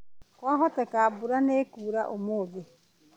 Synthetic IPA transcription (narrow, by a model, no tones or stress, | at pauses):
koaɦot̪akabuɾanekuːɾa̰ʔomoɡe